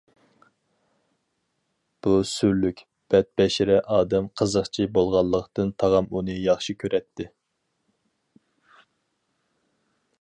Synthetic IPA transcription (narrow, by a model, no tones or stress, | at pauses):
b̥usyɾlykʲ | b̥ɛt̪̚bɛʃɪɾɛʔɑːd̪ɛmqʰəzəχt͡ʃʰibolˠʁɑlˠːəqt̪ɨnt̪ʰɑʁɑmunɨjɑχʃikʲʰøɾʔɛt̪ʰːɪ